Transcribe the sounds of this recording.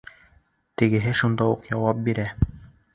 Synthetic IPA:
t̪ɘ̆ɡɘ̆ɦɘʃund̪ɑuqjɑwɑp̚biɾæ

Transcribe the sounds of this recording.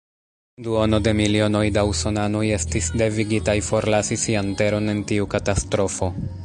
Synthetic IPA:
duo̞no̞de̞milio̞no̞jdauso̞nanoje̞stisde̞viɡitajfo̞ɾlasisiante̞ɾo̞ne̞ntiukatastɾo̞fo̞

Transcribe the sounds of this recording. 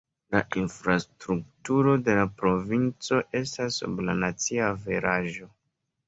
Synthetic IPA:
laʔinfɾastɾuk̚tuɾo̞de̞lapɾo̞vint͡so̞ʔe̞stasːṵbla̰nat͡siaveɾaʒo̞

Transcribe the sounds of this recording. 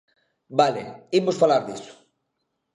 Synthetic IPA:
balḛimosfalaɾðiso̥

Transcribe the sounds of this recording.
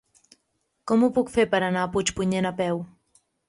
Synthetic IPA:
kɔmupukfepəɾanaput͡ʃpuɲenapɛw

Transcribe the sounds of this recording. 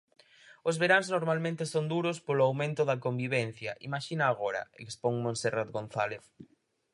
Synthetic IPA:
ozβeɾaŋznoɾmalmẽnt̪esond̪uɾospolʊawmẽnt̪ʊðɐkombiβ̞en̟θjɐʔimaʃinaːɣoɾɐ̰ḛkspoŋmõnserat̪ɡon̟θaleθ

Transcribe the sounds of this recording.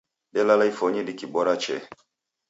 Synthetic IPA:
ɗɛlalaifɔɲilikiɓɔɾat͡ʃɛ̰

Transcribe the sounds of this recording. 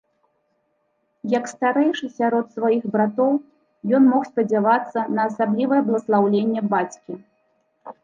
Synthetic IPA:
jɐkst̪aɾɛjʂɨsʲaɾɔt̪svajixbɾat̪ɔw | jɔnmɔxsʲpɐd͡zʲavat̪sːɐnɐːsablʲivɐjɐblˠɐslˠawlʲenʲːɛbat͡sʲkʲi

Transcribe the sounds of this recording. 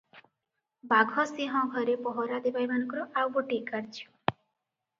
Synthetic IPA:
baɡʱɔsiɦɔ̃ɡʱɔɾepɔɦɔɾad̪ebajbanɔkɾɔʔawbɔʈikaɾt͡ʃʰi̥

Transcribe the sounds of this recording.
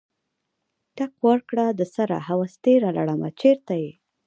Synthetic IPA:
ʈakwaɾkɽad̪əsaɾa̰hawast̪eɾala̰ɽama̰t͡ʃeɾt̪aje

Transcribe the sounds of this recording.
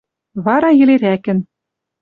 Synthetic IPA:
βɑɾɑjɘ̆leɾækɘ̆n

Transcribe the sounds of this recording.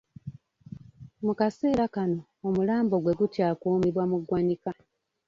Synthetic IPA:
mukase̞ːɾakano̞ːmulaːmbo̞ɡwe̞ɡutjakuːmiβwamuɡwanika

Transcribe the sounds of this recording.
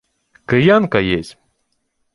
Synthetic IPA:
kɨjankajesʲtʲ

